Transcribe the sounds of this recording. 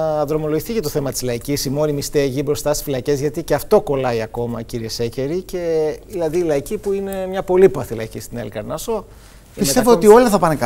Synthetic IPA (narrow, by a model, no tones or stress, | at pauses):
ðɾo̞mo̞loʝiθicet̪oθe̞mɐt̪i̥zlɐicisimo̞ɾimist̪eɐʝibɾo̞st̪ɐst̪isfilɐce̞zʝɐt̪iceɐft̪o̞ko̞lɐiɐko̞mɐciɾiesece̞ɾice̞ðilɐðiːlɐicipuine̞mɲɐpo̞lipɐθilɐ̰cist̪inelkɐɾnɐso̞ | piset̪evoot̪io̞lɐθɐpɐnek